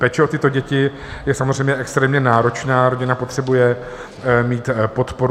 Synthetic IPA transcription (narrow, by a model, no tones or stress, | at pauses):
pɛːt͡ʃɛot̪ɪt̪o̞ɟɛcɪ | jɛsamozr̝ɛjmɲɛʔɛkst̪ɾɛːmɲɛnaːɾo̞t͡ʃnaːɾoɟɪnapo̞t̪r̝̥ɛbujɛ | miːt̪po̞t̪po̞ɾ